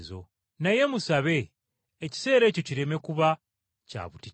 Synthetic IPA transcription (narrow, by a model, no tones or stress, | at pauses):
zo̞ | naje̞musaβe̞ː | ci̥se̞ːɾe̞ːco̞ciɾe̞me̞kuβa | ca̰βuti